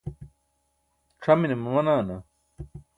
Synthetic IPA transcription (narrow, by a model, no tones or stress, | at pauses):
ʈ͡ʂʰɐminemɐmɐnaːnɐ